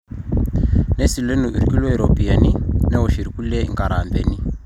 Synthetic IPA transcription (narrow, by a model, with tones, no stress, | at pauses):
ne˦si˨le˦nu˨i˨ɾi˨ki˦le˦i˨ɾo˨pi˨e˨ni˦nɛ˦ɦo˨ʃi˨ɾi˨ku˦le˦ŋɡa˨ɾa˨mbe˨ni˦